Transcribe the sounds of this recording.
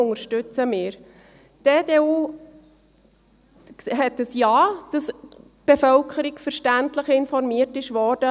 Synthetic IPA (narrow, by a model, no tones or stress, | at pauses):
ʊŋəɾʃtʉt͡səmɪːɾ | d̥eːdeːuː | ɦɛtːəsjɑːd̥ɑs | b̥efœlkʰəɾikfəɾʃtæntləχɪnfɔɾmiətɪʃʋɔːɾd̥ə